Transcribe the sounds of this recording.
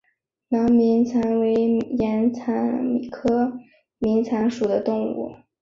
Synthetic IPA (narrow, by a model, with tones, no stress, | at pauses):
nɑ˧˥ŋmi˧˥nt͡sʰa˧˥nwe˧˥ɪjɛ˧˥nt͡sʰa˧˥nmi˨˩kʰɤ˥ | mi˧˥nt͡sʰa˧˥nʂu˨˩d̪ə˦t̪ʊ˥˧ŋṵ˥˩